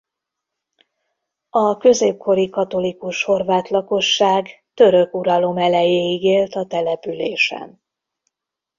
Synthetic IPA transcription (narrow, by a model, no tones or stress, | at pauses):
ɒkø̞zeːp̚kʰo̞ɾikɒt̪o̞likuʃho̞rvaːt̪lɒko̞ʃːaːɡt̪ø̞ɾø̞kuɾɒlo̞mɛlɛjeːiɡeːlt̪ɒt̪ɛlɛpyleːʃɛ̰n